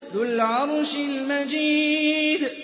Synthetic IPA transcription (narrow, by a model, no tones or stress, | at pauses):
ðʊlʕɑɾˤʃɪlmad͡ʒiːd̪